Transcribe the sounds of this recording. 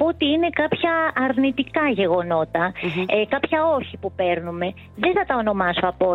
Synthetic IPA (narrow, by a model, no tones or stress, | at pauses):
pot̪iine̞kɐpçɐːɾnit̪ikɐʝe̞ɣo̞no̞t̪ɐekɐpçɐo̞çipupe̞ɾnume̞ | ðeθɐt̪ɐo̞no̞mɐso̞ɐpo